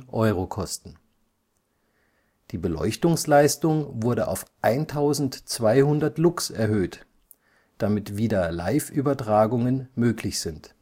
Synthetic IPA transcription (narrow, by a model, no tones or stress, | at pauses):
ʔɔʏʁokʰɔstn̩ | d̥iːbəlɔ̰ʏçtʊŋslaɪstʊŋvʊɐɾəʔa̰ʊfʔaɪntʰaʊzn̩tt͡sv̥aɪhʊndɐtlʊksɛɐɦøːt | d̥amɪtv̥iːdɐla̰ɪfyːbɐtʁ̥aːɡʊŋənmøːklɪçz̥ɪnt